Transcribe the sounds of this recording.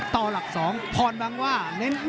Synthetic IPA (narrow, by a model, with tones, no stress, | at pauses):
t̪ɔː˨˩la˨˩p̚sɔː˩˦ŋpʰɔː˧nba˧ŋwaː˥˩ne˦˥nd